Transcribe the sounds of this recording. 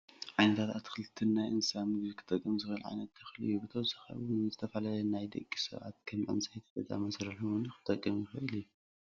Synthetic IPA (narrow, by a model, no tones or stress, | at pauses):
ʕajnɐt̪ʰat̪at̪kʰɨlɨt̪ʰːinːajʔɨnsamɨɡzikʰɨ̥t̪ʼːɐkʼːɨmzɨxhɨlʕa̰jnɐt̪jɨxɨlɨ̰jːubɨt̪ʰɐwzaxɐ̰βnzɨt̪ʰɐfɐlalɐnajd̪ɐ̰kʼːisɨ̰βʕa̰t̪̚kʰɐmʕɨ̰nsajt̪ʰɐ̥t̪ɐzʼa̰mɐsɾɐluɨnkʰɨ̥t̪ʼɐkʼːɐmjɪxɐʔɨlɨjːu